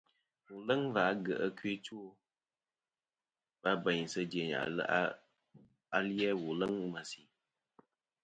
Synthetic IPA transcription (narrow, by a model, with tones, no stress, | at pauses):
wu˨lə˦ŋva˨˦ɡə˨ʔə˦kɥe˦t͡ʃu˦o˦ | ba˦bə˨ɲ˨sə˦de˨ɲa̰˨˦ | a˨ljɛ˦wu˨lə˦ŋ˦ma˨si˨